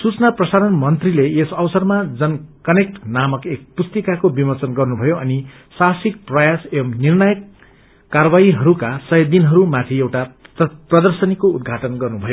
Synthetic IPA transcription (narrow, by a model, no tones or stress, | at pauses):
sut͡snaprʌsaɾʌnmʌnt̪rileesʌbsʌrmad͡zʌnkʌnek̚ʈnamʌkek̚pust̪ʌkakobimʌrt͡sʌnɡʌrnubʱʌjoʌni | sasik̚prʌjaseʌmnirnʌjʌkː | aɾwaiɦʌɾukasʌjʌd̪inɦʌɾumat̪ʰiewʈaprʌd̪ʌrsʌnikoud̪̚ɡʱaʈʌnɡʌrnubʱʌjo